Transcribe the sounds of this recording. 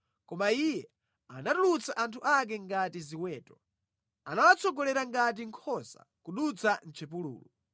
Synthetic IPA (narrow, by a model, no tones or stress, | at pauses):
kɔmaijɛ | anatulut͡saʔantʰuʔak̬ɛŋɡatiziwɛːtɔ | anawat͡sɔɡɔlɛɾaŋɡat̬iŋkʰɔsa̰kuɗut͡san̩t͡ʃʰɛp̬ulṵːlṵ